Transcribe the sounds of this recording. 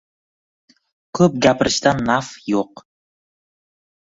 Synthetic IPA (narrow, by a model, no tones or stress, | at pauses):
kʰɵp̚ɡʲapɾɨʃt̪anːafjoq